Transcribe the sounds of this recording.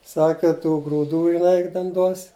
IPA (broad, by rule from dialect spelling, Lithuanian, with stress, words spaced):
ˈsɑːkʲɛ tuː ɡruːˈduː jɪˈnɐɪ ˈtʲɛn duɔs